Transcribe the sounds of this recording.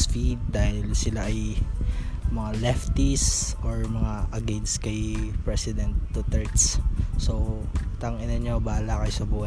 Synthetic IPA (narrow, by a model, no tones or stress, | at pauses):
sfid̪̚d̪aːhɪlsɪlaʔɐj | mɐŋalɛft̪isoɹmɐŋaʔɐɡɛd̪skɐjpɹɛsɪd̪ɛnt̪ːut̪ɛɹt̪sso | t̪ɐŋɪnɐɲobaːlakɐjosɐbuːhɐ